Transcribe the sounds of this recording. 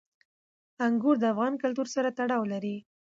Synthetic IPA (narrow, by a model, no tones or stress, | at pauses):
aŋɡuɾd̪əafɣɑnkʊlt̪uɾsaɾat̪aɽɑwlaɾi